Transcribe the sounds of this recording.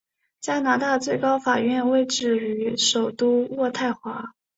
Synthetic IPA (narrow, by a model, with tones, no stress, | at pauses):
t͡ɕja˥na˧˥t̪a˥˩t͡swe˥˩ɪkɑ˥ʊfa˨˩ɥɛ˥˧nwe˥˧ɪʈ͡ʂɻ̩˥˩y˧˥ʂo˨˩ʊt̪u˥wɔ˥˧t̪ʰa˥˩ɪxwa˧˥